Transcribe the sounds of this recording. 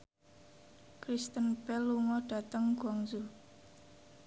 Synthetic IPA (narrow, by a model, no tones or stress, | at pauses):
kɾist̪ənbɛlːuŋɔɖ̥a̤t̪əŋɡɔŋzu